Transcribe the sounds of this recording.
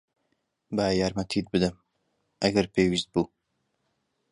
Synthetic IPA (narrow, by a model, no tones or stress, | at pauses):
baːjaːɾmɐt̪ʰit̪̚bɨd̪ɨm | ʔɐɡɐɾpeːwist̪̚buː